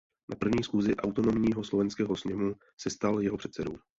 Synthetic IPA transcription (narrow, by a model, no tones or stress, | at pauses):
napr̩vɲiːsxuːzɪʔawt̪o̞no̞mɲiːɦo̞slovɛnskɛːɦosɲɛmu | sɛst̪aljɛɦopr̥ɛt̪sɛdṵː